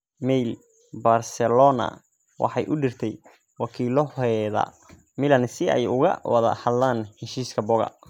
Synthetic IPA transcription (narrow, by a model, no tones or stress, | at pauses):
mɛjl | barsɛlɔnɐ̰ | wɑ̰ħɑjʔʊɖɪrt̪ʰɛj | wɑkʰiːlɔhɛðɐ̰ | mɪlɐnsɪɛ̰jʊɣɐ̰wɑðɐ̰hɐd̪laːnhɛʃiːskʰɐbɔɣɐ̰